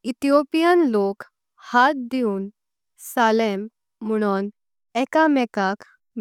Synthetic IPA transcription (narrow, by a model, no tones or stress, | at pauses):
it̪ijopijənlok | hat̪̚d̪iũːn | salemː | əɽ̃un | ɛkamɛkak | m